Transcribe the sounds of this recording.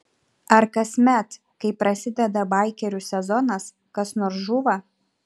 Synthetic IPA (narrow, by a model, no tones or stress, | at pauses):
ɐɾkɐsʲmʲɛt̪ | kɐɪpɾɐsʲɪd̪ʲɛd̪ɐbɐˑɪkʲɛɾʲusʲɛzɔnɐs | kɐsnoːɾsʒuːʋɐ